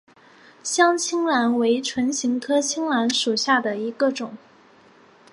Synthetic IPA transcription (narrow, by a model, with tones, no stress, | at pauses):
ɕjɑ˥ŋt͡ɕʰi˥ŋla˧˥nwe˧˥ɪʈ͡ʂʰwə˧˥nɕi˧˥ŋkʰɤ˥t͡ɕʰi˥ŋla˧˥nʂu˨˩ɕja˥˩d̪ə˩i˧˥ɡə˧ʈ͡ʂʊ˨˩˦ŋ